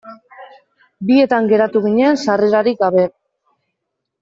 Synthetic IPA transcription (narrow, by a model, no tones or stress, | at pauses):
bie̞t̪aŋɡe̞ɾat̪uɣ̞iɲensareɾaɾik̚ɡaβe̞